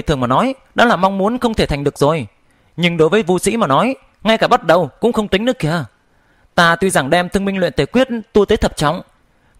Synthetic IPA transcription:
t̪ʰɨ˨˩əŋmaː˨˩nɔ˨˦j | ɗa̰ː˧˥laː˨˩ma˧wŋ͡mmu˨˦ənxə˧wŋ͡mt̪e˧˩a˨˩ŋ̟ɗɨ˨˩ək̚zo˨˩j | ɲɨ˧ŋɗo˨˦jvəː˨˦jvu˧sḭ˧˥maː˨˩nɔ˨˦j | ŋa˧jkaː˧˩ɓa˦˥t̚ɗə˨˩wkʊ̰˧˥ŋ͡mxə˧wŋ͡mt̪i˨˦ŋnɨ˦˥əkːi˧˩ə | t̪aː˧t̪wi˧za˧˩ŋɗɛ˧mt̪ʰɨ˧əŋmi˧ŋ̟lwḭ˧˨nt̪e˨˩kwi˦˥ət̚t̪u˧t̪eː˨˦jt̪ʰə˨˩p̚t͡ɕɔ̰˧˨wŋ͡m

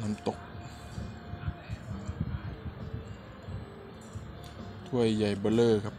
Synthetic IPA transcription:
na˧˥˦mt̪o˧k̚ | t̪ʰu˧˥˩əjːa˨˩jbɤː˧˥lɤː˧˩kʰa˦˧p̚

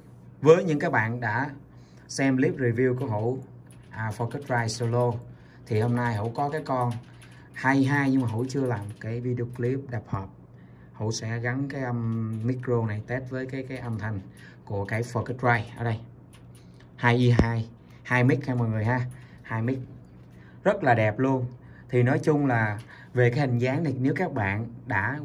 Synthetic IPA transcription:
vəː˨˦jɲɨ̰˧˥ŋkaː˨˦˥k̚ɓa̰ː˧˨nɗa̰ː˧˥ | sɛ˧mli˦˥p̚ɹi˨˩vi˧wku˧˩əhṵ˧˥ | ʔaː˨˩fəː˧kə˦˥t̚vaː˧jso˧lo˧ | t̪ʰi˨˩ho˧mnaː˧jɦṵ˧˥kɔ˨˦kaː˨˦jkɔ˧n | haː˧jʔi˧ɦaː˧jɲɨ˧ŋmaː˨˩ɦṵ˧˥t͡ɕɨ˧əlaː˨˩mo˨˩t̚kaː˨˦jvi˧ɗi˧o˧kli˦˥p̚ɗa˨˩p̚həː˨˩p̚ | hṵ˧˥sɛ̰˧˥ɣa˨˦nkaː˨˦jʔə˧mmi˦˥kzo˧na˨˩jt̪e˦˥t̚vəː˨˦jkaː˨˦jkaː˨˦jʔə˧mt̪ʰa˨˩jŋ̟ | ku˧˩əkaː˨˧˦jfə˨˧˩ktɹaː˧jʔəː˧˩ɗə˧j | haː˧jʔi˧ɦaː˧j | haː˧jmi˦˥k̚ha˧maː˨˩ŋɨ˨˩əjhaː˧ | haː˧jmi˦˥k̚ | zə˦˥t̚laː˨˩ɗɛ˨˩p̚lu˧ən | t̪ʰi˨˩nɔ˨˦jt͡ɕʊ˧ŋ͡mlaː˨˩ | ve˨˩kaː˨˦jhï˨˩ŋ̟zaː˨˦ŋt̪ʰi˨˩ne˨˦wkaː˦˥k̚ɓa̰ː˧˨nɗa̰ː˧˥

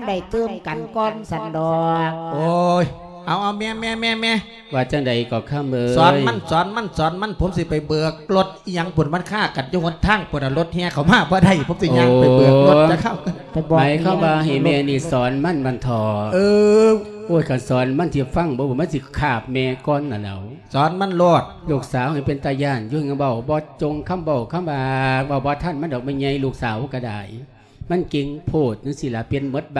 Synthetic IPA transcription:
a˧da˨˩jt̪ɤː˧˩˨mka˨nkɔː˧˩nsa˨˧˦ndɔː˧ʔoː˧j | ha˨˦wʔa˧wmɛː˧˥˨mɛː˧˥˨mɛː˧˥˨mɛː˧˥˨ | waː˧t͡ɕa˧˩ŋda˨˩jkɔː˨˩kʰa˧˩˨mlɤː˧sɔː˨˦njma˧˨nsɔː˨˦nma˧˥˨nsɔː˨˦nma˧˥˨npʰo˨˦msi˧˦pa˨˩jbɯː˨˧ək̚lo˧˦t̪̚i˧ɲa˧˨ŋpʰo˨˧˦nma˧˥˨nkʰaː˧˥˩ka˨˩njuː˧ŋo˧˦nt̪ʰaː˧˥˨ŋpʰu˧˦˨na˧˩lo˧˦t̪̚hɛ˧˨kʰa˨˩wmaː˧˩˨bɔː˧˦da˧˩jpʰo˨˧˦msi˧ɲa˧˨ŋa˨bɯː˨əklo˧˦a˧˦kʰa˧˩˨wka˧˩˨na˨jbɔ˧ma˨˦jkʰa˧˥˨mwaː˧ɦa˨˩mɛː˧˩niː˧˩sɔː˨˦nma˧˥˨nma˧˥˨nt̪ʰɔː˨˧˦ʔɯː˧ | ʔoː˧˩˨jkʰa˨˩sɔː˨˦nma˧˥˨nt̪ʰi˧fa˧˨ŋbɔː˧˦baː˧˦ma˧˥˨nsi˧˦kʰaː˧˩p̚mɛː˧kɔː˧˥˨nːa˨lɛ̰˨˧˦w | sɔː˨˦nma˧˥˨nloː˧˩t̪̚luː˧˩k̚saː˨˦wha˧˦pe˧˨nt̪aː˧˩jaː˧˩˨nju˧hŋa˧˩ba˧˩wbɔː˧˦t͡ɕo˧ŋkʰa˧˥˨mba˧˩wkʰa˧˥˨mwaː˧ba˧˩wbɔː˧˦t̪ʰa˧˩˨nma˧˨dɔː˨˩k̚ma˧˩˨ɲa˧˦jluː˧˩k̚saː˨˦wka˧˩da̰ː˨˩j | ma˧˥˨nke˧ŋpʰoː˧˩t̪̚nɯ˧˦si˧˨laː˨˦pe˧˨nmo˧˦˥t̪̚ba˧

